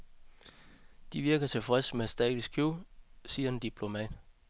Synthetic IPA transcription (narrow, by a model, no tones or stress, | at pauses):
d̥iʋiɐɡ̥ɐt͡sʰe̝fʁɛsmesd̥ɛ̰ːd̥isɡkʰjusiːɐe̝nd̥ipʰlo̝mɛ̰ːd̥